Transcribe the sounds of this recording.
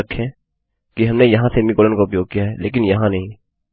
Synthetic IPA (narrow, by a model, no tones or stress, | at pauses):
əkʰːɛ̃ | kiɦɐmnejɐɦãsemikoːlənkaʊpjoːɡ̚kijaɦɛleːk̬ɪnjɐɦãnɐɦĩː